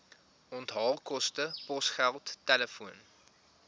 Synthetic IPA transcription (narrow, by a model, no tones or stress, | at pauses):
ɔntɦɑːlˠkɔstəpɔsχælˠtːɛləfuən